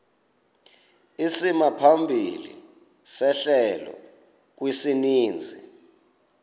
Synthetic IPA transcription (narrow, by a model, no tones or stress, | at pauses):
isimapʰambʱilḭ | sɛɬɛlɔ̰ | k̬wisiniːnd͡zʱi